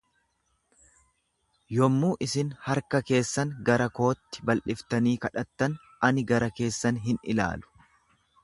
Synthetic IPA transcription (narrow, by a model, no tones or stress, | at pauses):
jɔmːuːʔɪsɪnhɐɾkɐke̞ːsːɐnɡɐɾɐko̞ːt̪ːɪ̥bɐlʔɪft̪ɐniːkɐᶑɐt̪ːɐn | ʔɐnɪɡɐɾɐke̞ːsːɐnɦɪnɪla̰ːlʊ̥